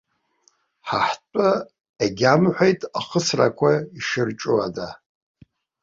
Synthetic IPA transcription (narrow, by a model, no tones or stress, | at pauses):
ħaħt͡pʷʼa | eɡʲamħʷajtʼaχəsra̰kʷʰaiʃɨrʈ͡ʂʼuada